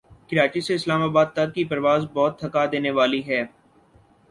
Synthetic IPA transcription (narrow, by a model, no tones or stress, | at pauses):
kɪɾaːt͡ʃiseɪslaːmaːbaːd̪̚t̪ɐɾ̚kːipɐɾʋaːzbɔːt̪ʰːɐkad̪eːneʋaːliɦɛː